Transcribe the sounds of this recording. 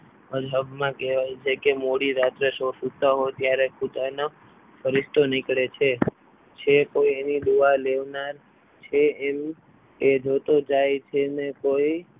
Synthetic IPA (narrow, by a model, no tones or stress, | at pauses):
əd͡ʒɦəbmãkɛʋajt͡ʃʰekemoɽiɾat̪ɾeʃosut̪aɦot̪jaɾeput̪ano | fəɾist̪onikɭet͡ʃʰe | t͡ʃʰekoienid̪uʋaleʋnaɾ | t͡ʃʰeem | ed͡ʒot̪od͡ʒajt͡ʃʰenekoi